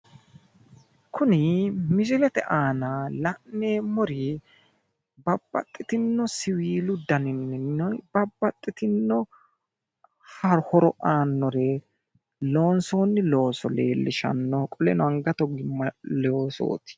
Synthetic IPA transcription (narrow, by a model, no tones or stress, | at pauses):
kʰʊnɪmɪd͡ʒɪlɛt̪ɛʔaːnalɐʔneːmɔɾɪ | bɐbːɐ̰t̪ʼːɪt̪ɪnːɔsɪwiːlʊd̪ɐnɪnːɪnːɔbɐbːɐt̪ʼːɪt̪ɪnːɔ | hɐɾhɔɾɔʔaːnːɔɾɛ | lo̞ːnsoːnːɪlo̞ːsɔlḛːlːɪʃɐ̰nːɔkʼɔlɛnɔɐŋɡɐt̪ɔɡɪmːɐloːso̰ːt̪ɪ̥